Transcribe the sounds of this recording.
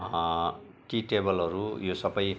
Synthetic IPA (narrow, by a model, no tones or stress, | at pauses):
ʈiʈebʌlʌɾujosʌbʌj